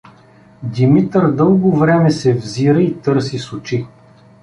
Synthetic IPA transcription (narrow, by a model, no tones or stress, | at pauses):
d̪imit̪əɾd̪ɤlˠɡovɾɛmɛsɛvziɾəit̪ɤɾsisʊt͡ʃi